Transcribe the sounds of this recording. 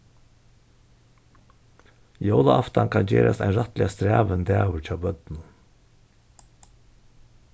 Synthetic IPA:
joːləʔɑft̪ɑnkʰɑnd͡ʒḛːɾɑsæɪnɾɑt̪lɪɑst̪ɾæːʋənd̪æːʊɾc͡çɑːbœd̪n̩

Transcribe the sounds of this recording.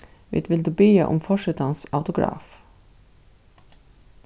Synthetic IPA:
ʋɪ̰t̪ʋɪld̪ʉːbeːəʔʊ̰mfɔʂɪt̪ɑnsaʊt̪ʊɡɾɑ̰ːf

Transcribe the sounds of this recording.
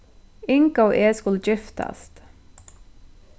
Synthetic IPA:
ɪŋkəoːʔeːskʊld͡ʒɪft̪ɑ̰st̪

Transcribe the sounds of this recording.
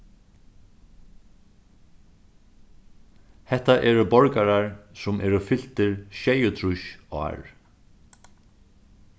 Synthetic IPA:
hɛht̪aʔɛːɾʊbɔɹkaɾaɹsʊmʔɛːɾʊfɪl̥t̪ɪɹʃɛjət̪ʰɾʊʃa̰ːɹ

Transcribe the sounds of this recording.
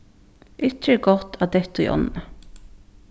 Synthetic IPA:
ʔʏt̪ɾəɡɔt̪ʰɑːd̪ɛt̪ʊ̰ʔɔ̰nnə

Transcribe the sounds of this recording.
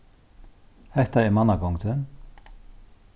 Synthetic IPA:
hɛht̪aɛɾmanːakɔwŋkt̪ʏn

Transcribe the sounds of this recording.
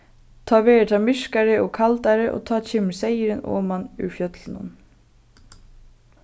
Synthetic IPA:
t̪ʰɑːʋeːɹɪt̪ʰamɪʂkaɾɪɔkʰalt̪aɾɪʔɔ̰ːt̪ʰɑːt͡ʃʰeːmɪsejɪɾɪnɔ̰ːmanʉ̰fjœt̪lɪnʊ̰n

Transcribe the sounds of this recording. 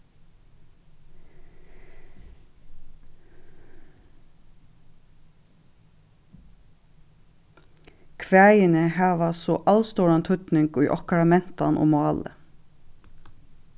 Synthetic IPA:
kʰʋæːɪənəhɑːʋɑsɔʔɑlst̪oːɹɑnt̪ʰʉt̪nɪŋɡy̰ːʔɔkɑɾɑmɛnt̪ɑ̰nʔo̰ːmɑːlə̰

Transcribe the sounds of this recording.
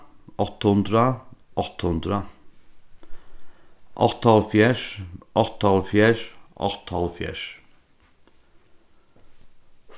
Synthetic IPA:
ʔɔt̪hʉnd̪ɾəʔɔt̪hʉnd̪ɾə | ʔɑt̪ːɑlfjæːʂʔɔt̪hɑlfjæːʂʔɑ̰t̪ɑlfjæ̰ːʂ

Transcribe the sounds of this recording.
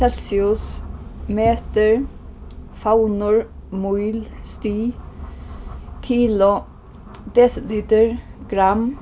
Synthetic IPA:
ɛlsɪʊsmeːt̪əɹ | fawnʊɹmuʏlst̪yː | kʰiːlʊ | d̪̥ɛsət̪liːt̪əɹɡ̥ɾam

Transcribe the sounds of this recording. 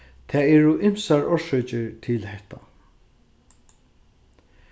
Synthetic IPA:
t̪ʰɛːɛɹʊʔɪm̥saɹɔʃɔt͡ʃɪɹt̪ʰɪlhɛht̪a̰

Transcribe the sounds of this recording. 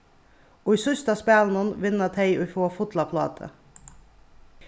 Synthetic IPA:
oːiːsʏst̪ɑspæːlnənʋɪnət̪ʰɛɪɔfoːfʊd̪lɑpʰlɑ̰ːd̪ʰə̰

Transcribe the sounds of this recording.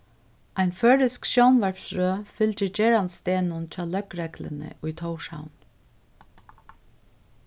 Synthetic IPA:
ajnføːɹɪskʃjownʋæɹpsɹøːfɪlcɪɹd͡ʒɛːɹanst̪eːnʊnt͡ʃʰɑːlœkɾɛklɪ̰nɪ̰ʔʊjt̪ʰowʃha̰wn

